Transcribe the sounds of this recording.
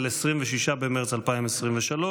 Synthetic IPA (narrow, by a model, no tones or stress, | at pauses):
lesʁimveʃiʃabemeʁet͡salpaimesʁimveʃalo